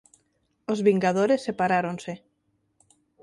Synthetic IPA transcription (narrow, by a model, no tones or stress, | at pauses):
ozβiŋɡað̞oɾesːepaɾaɾonse